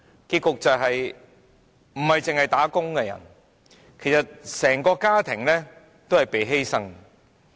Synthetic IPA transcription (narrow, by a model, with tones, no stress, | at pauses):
kiː˧t̚kʊ˨k̚t͡sɐ˨wɦɐ˨j | m̩˨˩hɐ˨jt͡sɪ˨ŋhɐ˨jt̪aː˨˥kʊ˥ŋkɛ˧jɐ̰˨˩n | kʰe˨˩jsɐ˨t̚sɛː˨˩ŋkɔː˧kaː˥t̪ʰɪ˨˩ŋlɛː˥ | t̪o˥hɐ˨jpe˨jɦe˥jsɐ˥ŋ